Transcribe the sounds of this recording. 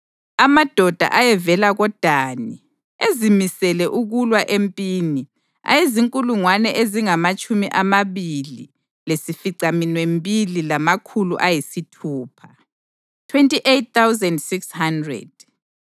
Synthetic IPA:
amad̥ʱɔd̥ʱa̰ʔajɛvɛlaɣɔd̥ʱaːni | ezimisɛlɛʔuɣulwaʔempʼiːni | a̰jeziŋkʼuluŋwanɛʔeziŋamat͡ʃʼumiʔamaβilḭ | lesifiɡ͡ǀʱaminwempʼililamakʰuluʔajisitʰuːpʰḁ | tʰwentʼiʔet̚t̪awzɛndsikshandrɛ̰d̥̚

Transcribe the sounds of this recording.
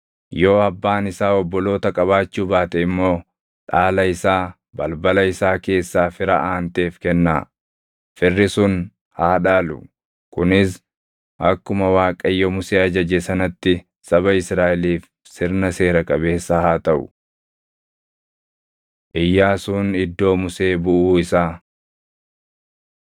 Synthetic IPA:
jo̞ːɐbːaːnɪsaːɔbːɔlo̞ːt̪ɐkʼɐβaːt͡ʃːuːbaːt̪ɛɪmːo̞ː | ᶑaːlɐɪsaː | bɐlbɐlɐɪsaːke̞ːsːaːfɪɾɐ̰ʔaːnt̪e̞ːfkɛnːa̰ː | fɪrːɪsʊn | haːᶑaːlʊ̰ | kʊnɪs | ʔɐkːʊmɐwaːkʼɐjːɔmʊseːɐd͡ʒɐd͡ʒɛsɐnɐt̪ːɪ | sɐβɐɪsɾaːʔɛliːf | sɪɾnɐse̞ːɾɐkʼɐbe̞ːsːɐhaːt̪ɐʔʊ̥̰ | ʔɪjːaːsuːnɪd̪ːo̞ːmʊse̞ːbʊʔuːɪsaː

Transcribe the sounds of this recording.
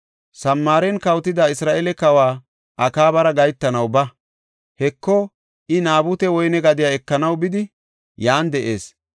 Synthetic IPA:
sɐmːaːɾɛnkɐwt̪ɪd̪aɪsɾaːʔɛlɛkɐwaː | ʔɐkaːbɐɾɐɡɐjt̪ːɐnɐwbɐ | hɛkːɔ | ʔɪnaːbut̪ɛwɔjnɛɡɐd̪ɪjaːɛkːɐnɐwbɪd̪ɪ | jaːnd̪ɛʔe̞ːs

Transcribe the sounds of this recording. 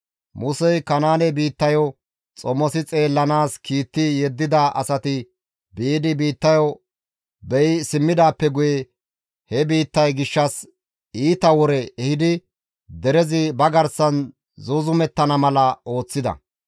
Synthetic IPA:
mʊsɛjkɐnaːnɛbiːt̪ːɐjɔ | t͡sʼɔmːɔsɪt͡sʼe̞ːlːɐnaːskiːt̪ːɪjɛd̪ːɪd̪ɐʔɐ̰sɐt̪ɪ | biːd̪ɪbiːt̪ːɐjɔ | bɛjɪsɪmːɪd̪aːpːɛɡʊjɛ | hɛbiːt̪ːɐjɡɪʃːɐs | iːt̪ɐwɔɾɛɛhɪd̪ɪ | d̪ɛɾɛzɪbɐɡɐɾsɐn | zʊzʊmɛt̪ːɐnɐmɐlɐo̞ːt͡sːɪd̪ɐ̰

